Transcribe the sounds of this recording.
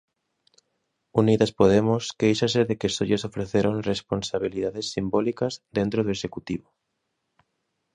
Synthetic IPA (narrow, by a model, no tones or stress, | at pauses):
uniðaspoð̞emʊskejʃaseðekesoʎesofɾeθeɾoŋresponsaβ̞iliðaðesːimbolikazðent̪ɾoðoesekut̪iβo